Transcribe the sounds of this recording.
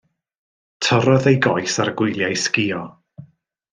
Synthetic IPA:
tʰəɾɔðejɡɔjsaɾɡ̥wʊjlˠjajskiːɔ

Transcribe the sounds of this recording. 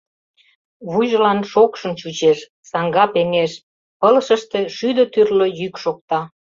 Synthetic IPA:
βuʒəlɑnʃokʃə̆mt͡ɕut͡ɕeʃ | sɑŋɡɑpeŋeʃ | pələʃə̆ʃt̪eʃyd̪ət̪yrlojykʃok̚t̪ɑ

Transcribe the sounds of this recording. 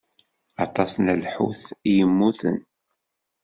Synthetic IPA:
ɑt̪ˤɑsnəlħṵθijəmːuθə̰n

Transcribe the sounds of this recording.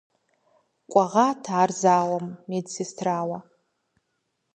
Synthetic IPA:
kʷʼaʁatʰaːrzaːwamnedsistʰraːwa

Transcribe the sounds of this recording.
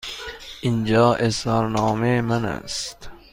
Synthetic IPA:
ʔind͡ʒɒːʔesɒːɾnɒːmemænæ̰st̪

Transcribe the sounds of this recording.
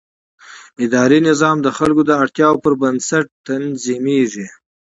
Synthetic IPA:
ɪd̪ɑɾinɪzɑmd̪əxalkod̪əaɽt̪jɑwpəɾbənsaʈ̚t̪anzimeʐi

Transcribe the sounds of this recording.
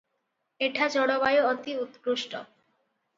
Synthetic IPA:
eʈʰad͡ʑɔɽoβajoɔt̪iut̪ːɾuʃʈo

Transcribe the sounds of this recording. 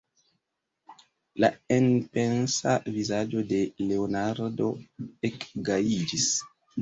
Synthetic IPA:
laenpe̞nsavizad͡ʒo̞de̞leonaɾdo̞ekɡaid͡ʒis

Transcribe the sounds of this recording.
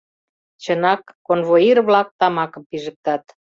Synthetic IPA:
t͡ɕənɑkːonvoirβlɑk̚t̪ɑmɑkə̆mpiʒə̆k̚t̪ɑt̪

